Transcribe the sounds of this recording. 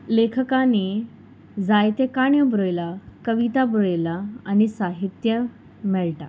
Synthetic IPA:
lekʰəkani | d͡zajt̪ekaɳjəbɾojlakəʋit̪abɾojlaanisaɦit̪jə | mɛɭʈa̰

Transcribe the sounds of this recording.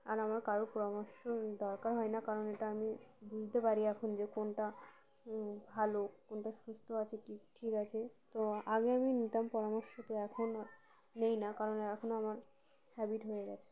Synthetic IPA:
aɾamaɾkaɾopɔɾamɔɾʃod̪ɔɾkaɾɦɔenakaɾoneʈaamibud͡ʑʱt̪epaɾiɛkʰond͡ʑekonʈa | bʱalokonʈaʃust̪ʰoat͡ɕʰekiʈʰikat͡ɕʰet̪oaɡeaminit̪ampɔɾamɔɾʃot̪eɛkʰon | nejnakaɾonɛkʰonoamaɾ | hɛbiʈɦojeɡɛt͡ɕʰe̥

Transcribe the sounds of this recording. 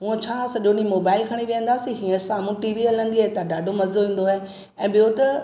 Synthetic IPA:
ɦũə̃t͡ɕʰaːsɐʄonĩmoːbaːɪlkʰɐɽ̃iʋĩə̃nd̪aːsiɦiːə̃saːmũʈiːʋiɦɐlə̃nd̪iaːɦet̪ɐɖaːɖʱomɐzoɦĩːn̆d̪oe | ɛ̃ːɓɪjot̪ɐ

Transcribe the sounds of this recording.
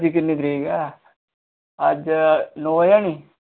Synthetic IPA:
d͡ʒik̬ɪnːit̪ɾiɡa | ɐd͡ʒnoːjani

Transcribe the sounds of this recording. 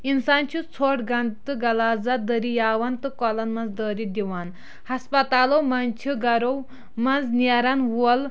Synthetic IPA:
insaːnt͡ʃʰit͡sʰoːʈɡɐnt̪ɨɡɐlaːzad̪ɐɾijaːwɐnt̪ɨkɔlɐnmɐnzd̪əːɾid̪ʲiwan | hɐspɐt̪aːlowmɐnt͡ʃʰiɡɐɾow | mɐnd͡znaɾanwuɐl

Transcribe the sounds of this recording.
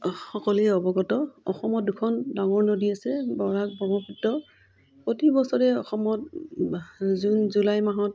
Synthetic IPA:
xɔkɔluɛɔbɔɡɔtɔɔxɔmɔt̚dukʰɔndaŋɔɹnodiasɛbɔɹak̚bɔmɔkʰitːɔ | potibɔsɔɹɛɔxɔmɔt | zunzulajmaɦɔt

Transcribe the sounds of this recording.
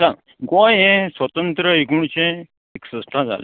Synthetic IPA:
sa | ɡõjẽsʋət̪ənt̪ɾəeɡuɳ̃t͡ɕẽ | eksəsʈ̪ʰãd͡za̰lḛ

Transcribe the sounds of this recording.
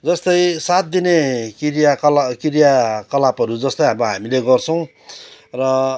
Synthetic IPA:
d͡zʌst̪ʌjsat̪̚d̪inekiɾijakʌkiɾijakʌlapʌɾud͡zʌst̪ʌjɦamɦamileɡʌrt͡sʰʌw̃ | rʌ

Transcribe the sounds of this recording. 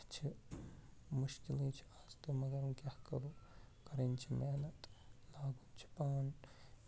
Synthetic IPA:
t͡ʃʰi | muʃkilẽt͡ʃʰi̥aːzt̪omɐɡɐɾũkʲjahkɐɾuː | kɐɾent͡ʃʰimeɦnɐt̪laːɡuːnt͡ʃʰi̥paːn

